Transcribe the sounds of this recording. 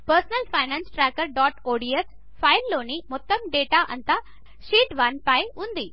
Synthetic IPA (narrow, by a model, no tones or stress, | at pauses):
pəɾsnəlfaɪnãnsʈɾɛːkəɾɖɔːʈoːɖies | fʰaɪlːoːnimʊt̪ːəmɖeːʈaʔɐ̰̃nt̪a | ʃiːʈʋanpaːjɦũnd̪iː